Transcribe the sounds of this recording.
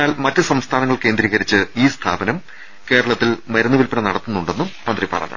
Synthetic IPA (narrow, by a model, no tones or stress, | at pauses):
aːlmɐtːɨsɐmst̪ʰaːnɐŋːɐɭke̞ːnd̪ɾiːɣɐɾit͡ɕːɨiːst̪ʰa̰ːbɐnɐm | ke̞ːɾɐɭɐt̪ːilmɐɾɐnːuʋilpiɳɐnɐɽɐt̪ːunːuɳɖe̞nːummɐnd̪ripɐ̰rɐ̰ːnːɐ̰